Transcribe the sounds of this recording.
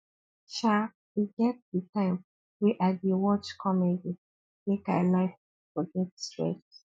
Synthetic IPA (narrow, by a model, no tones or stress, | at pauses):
ʃa | wiɡɛt̚ditãɪ̃m | wiʔadiwɔt͡ʃkʰɔmedi | meka̰ɪlaɪf | fɔɡɛtstɹɛ̰t